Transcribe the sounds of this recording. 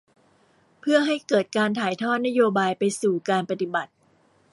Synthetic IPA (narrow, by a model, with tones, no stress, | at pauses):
pʰɯ˥˩ɐɦa˥˩jkɤː˨˩t̪̚kaː˧nt̪ʰaː˨˩˦jt̪ʰɔː˥˩t̪̚na˦˥joː˧baː˧jpa˧jsuː˨˩kaː˧npa˧t̪i˨˩ba˨˩t̪̚